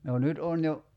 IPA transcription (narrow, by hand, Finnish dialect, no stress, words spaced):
no nyt on jo